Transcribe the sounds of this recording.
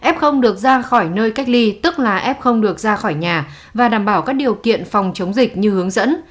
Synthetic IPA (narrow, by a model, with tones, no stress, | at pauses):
ʔɛ˦˥p̚xə˧wŋ͡mɗɨ˨˩ək̚zaː˧xɔ˧˩jnəː˧jka˦˥jk̟̚li˧t̪ɨ˦˥k̚laː˨˩ʔɛ˦˥p̚xə˧wŋ͡mɗɨ˨˩ək̚zaː˧xɔ˧˩jɲaː˨˩ | vaː˨˩ɗaː˧˩mɓaː˧˩wkaː˦˥k̚ɗi˨˩əwkḭ˧˨ənfɔ˨˩wŋ͡mt͡ɕə˨˦wŋ͡mzï˨˩k̟̚ɲɨ˧hɨ˨˦əŋzə̰˧˥n